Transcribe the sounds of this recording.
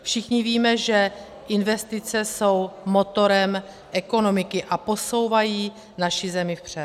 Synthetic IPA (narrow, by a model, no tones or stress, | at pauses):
fʃɪxɲɪviːmɛʒɛ | ʔɪnvɛst̪ɪt͡sɛso̞wmo̞t̪o̞ɾɛm | ʔɛko̞no̞mɪkɪʔapo̞so̞wvajiː | naʃɪzɛmɪfpr̝̥ɛ